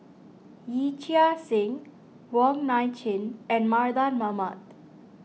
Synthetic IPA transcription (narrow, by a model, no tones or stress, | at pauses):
jit͡ʃiasɪ̃ŋ | wɔŋnajt͡ʃʰĩnɛ̃nmaɾd̪anmamat̪